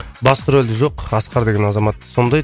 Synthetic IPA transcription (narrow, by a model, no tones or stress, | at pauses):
bɑst̪ʊɾolʲd̪ɪʒo̞qɑsqɑɾd̪e̞ɡʲenɑzɑmɑt̪ːso̞nd̪ɑj